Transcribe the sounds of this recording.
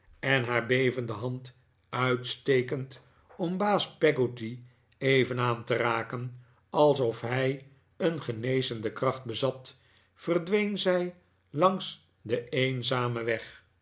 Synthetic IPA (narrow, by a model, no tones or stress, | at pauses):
ɛnɦaːɹbejvəndəɦɑnt | œɥtstejkənt | ɔmbaːspɛɡoti | ejvənaːntəraːkən | ʔɑlˠsɔfɦɛj | ənχənejzəndəkrɑχt̚bəzɑt | fərdʋejnzɛj | lɑŋs | dəejnzaːməʋɛχ